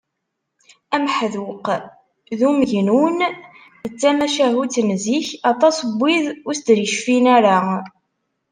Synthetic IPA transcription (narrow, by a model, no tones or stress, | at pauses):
æmħðuq | ðuməʝnun | ðət͡sːæmæʃaʁut͡sːnziçɑt̪ˤɑsbːiðʊɾsd̪ɾʃfinæɾa